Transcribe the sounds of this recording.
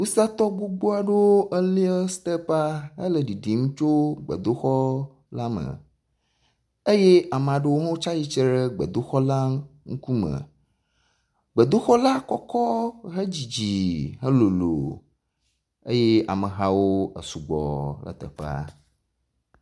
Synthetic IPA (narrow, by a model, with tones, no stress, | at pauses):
wu˦sa˦t̪ɔ˦ɡ͡bu˦ɡ͡bo˦a˨ɖe˦wo˦ʔə˦li˦ə˦st̪ə˦pa˦ə̰˦lə˨ɖi˨ɖi˨ŋũ˦t͡ʃo˦ɡ͡bə̰˨d̪o˦xɔ˦ | la˦mə̰˨ | e˦je˦a˨me˨a˨ɖe˦wo˦ŋõ˦t͡ʃa˦ji˦t͡ʃe˦ɖə˦ɡ͡bə̰˨d̪o˦xɔ˦la˦ŋu˦ku˦mə̰̃˨ | ɡ͡bə˨d̪o˦xɔ˦la˦kɔ˦kɔ˦ɦə˦d͡ʑi˨d͡ʑi˨ɦə˦lo˨lo̰˨ | ḛ˦je˦a̰˨mə˨ɦa˦wo˦ə̰˨su˨ɡ͡bɔ̰˨lə̰˨t̪ə̰˨ɸa̰˦